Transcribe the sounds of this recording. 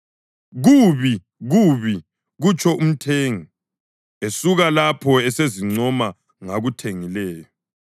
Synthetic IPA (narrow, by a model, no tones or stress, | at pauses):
ɣuβi | ɣuβi | ɣut͡ʃʼʰɔum̩tʰeːŋi | esuɣalapʰɔɛseziŋ͡ǀɔma | ŋaɣutʰeŋilɛːjɔ